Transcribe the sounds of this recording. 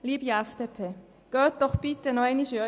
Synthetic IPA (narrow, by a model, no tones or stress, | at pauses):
liːbjaɛfd̥̪epʰeː | ɡ̥øːt̚d̥ɔχb̥ɪt̪ːənoɛniʃø